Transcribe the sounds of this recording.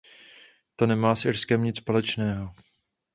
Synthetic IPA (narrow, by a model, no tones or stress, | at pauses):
t̪o̞nɛmaːsʔɪɾskɛmɲɪt͡sspolɛt͡ʃnɛːɦo̞